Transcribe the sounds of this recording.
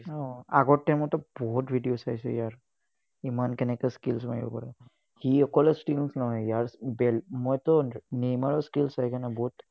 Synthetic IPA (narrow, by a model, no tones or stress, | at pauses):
ɔa̰ɡɔamɔt̪ɔbɔɦutbʱidijosajsɛ̰jaɹ | imankɛnɛkɛskilsmaibɔ̰pa̰ɹɛ | hiɔkɔlɛsʈilsnɔnajaɹbɛlmɔjt̪ɔnejmaɹɔskilsajkanabɔɦut